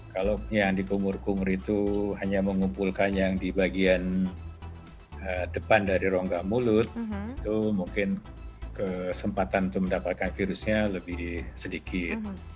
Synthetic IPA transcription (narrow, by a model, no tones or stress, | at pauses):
kalojaŋdikumʊrkumʊɾit̪uɦaɲaməŋumpulkanjaŋdibaɡian | ədəpandaɾiɾoŋɡahmulʊt̪̚it̪umuŋkɪn | kəsəmpat̪anit̪uməndapat̪̚kanfiɾusɲaləbɪhsədikɪt̪̚